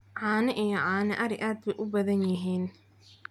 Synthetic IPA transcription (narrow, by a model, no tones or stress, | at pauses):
ʕɑːnɪʔijɔʕɑːnɪʔɐɾɪʔaːd̪̚bɛjʔʊbɐðɐnjɪɦiːn